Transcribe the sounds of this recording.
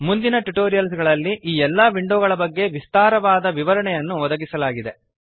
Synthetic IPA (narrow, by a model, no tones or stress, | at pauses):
mund̪inɐʈuʈoːɾijɐlsɡɐɭɐlːiʔiːɛlːaːʋiɳɖoːɡɐɭɐbɐɡːe̞ʋist̪aːɾɐʋaːd̪ɐʋiʋɐɾɐɳɛjɐnːuʋɔd̪ɐɡisɐlaːɡid̪e̞